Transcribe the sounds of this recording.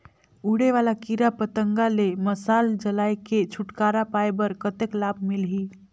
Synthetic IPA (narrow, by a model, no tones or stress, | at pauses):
uɽeʋalakiɾapət̪əŋɡaleməsald͡ʒəlajket͡ʃʰuʈkaɾapajbəɾkət̪eklabʱmilɦi